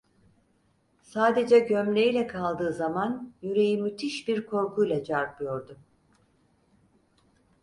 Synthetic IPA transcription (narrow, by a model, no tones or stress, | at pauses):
saːd̪e̞d͡ʒɛɟømlʲejilʲɛkʰalˠd̪ɯːzamanjyɾe̞jimːyt̪ʰiʃbiɾkʰo̞ɾkʰujlʲɛd͡ʒaɾbɯjo̞ɾd̪u